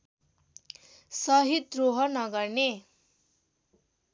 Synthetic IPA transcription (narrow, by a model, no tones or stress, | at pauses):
sʌɦit̪roɦʌnʌɡʌrne